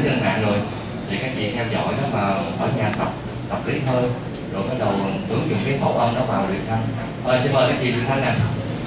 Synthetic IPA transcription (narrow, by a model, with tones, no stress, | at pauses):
t͡ɕə˧˩nha̰ː˧˨jzo˨˩j | t̪ʰi˨˩kaː˨˦˥jvi˨t̚ŋ˧wzɔ̰˧˨jɗɔ˨˦maː˨˩həː˧˩˦jɲaː˨˩t̪ə˨˩k͡p̚ | t̪ə˨˩p̚li˨˦həː˧j | zo˨˩jkɔ˨˦˥ɗə˨˩wʔɨ˨˦əŋzʊ̰˧˨ŋ͡mkaː˨˦ho̰˧˨ʔə˧wŋ͡mɗɔ˨˦vaː˨˩wɗi˨˩ənt̪ʰə˧n | ʔəː˨˩jsi˧nməː˨˩kaː˨˦jki˨˩ɗwi˨˩ənt̪ʰa˧nːa˨˩